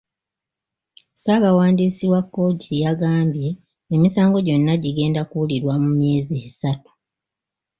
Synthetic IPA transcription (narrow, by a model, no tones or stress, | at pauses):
saːβawaːndiːsiwakːo̞tʰijaɡaːmbje̞ | emisaːŋɡo̞ɟo̞nːaɟiɡe̞ːndakuuliɾwamumje̞ːziesatu̥